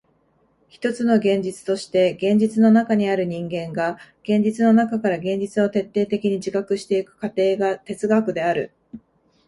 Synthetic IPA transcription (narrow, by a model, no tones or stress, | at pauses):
çi̥t̪o̞t͡sɨno̞ɡẽ̞ɲ̟d͡ʑit͡sɨ̥t̪o̞ɕi̥t̪e̞ɡẽ̞ɲ̟d͡ʑit͡sɨno̞nakaɲ̟iaɾɯ̟ɲ̟ĩŋɡẽ̞ŋɡaɡ̥ẽ̞ɲ̟d͡ʑit͡sɨno̞nakakaɾaɡẽ̞ɲ̟d͡ʑit͡sɨo̞t̪e̞t̪ːe̞ːt̪e̞kʲiɲ̟id͡ʑikakɯ̟ɕi̥t̪e̞ikɯ̟̥kat̪e̞ːɡat̪e̞t͡sɨɡakɯ̟d̪e̞aɾɯ̟